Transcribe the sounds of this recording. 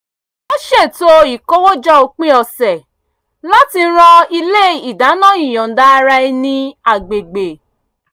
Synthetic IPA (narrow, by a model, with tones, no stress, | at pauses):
o˦ʃe˦˨to˦i˨ko˦wo˦d͡ʒɔ˦o˧k͡pĩ˦ɔ˨sɛ˨ | la˦ti˧˦ɾ̃ɔ̃˧i˧le˦i˨da˨˦nã˦˨˦i˦˨j̃ɔ̃˨n˨da˨˦˧ɾa˧i˧nĩ˦a˨ɡ͡be˨ɡ͡be˨